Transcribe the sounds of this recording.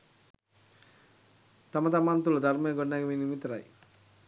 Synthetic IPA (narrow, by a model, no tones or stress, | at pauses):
t̪ɐmɐt̪ɐmaːnt̪ulɐd̪ʱɐɾmeːɡɔɽnaɡɐminimit̪ːɾa̰ːj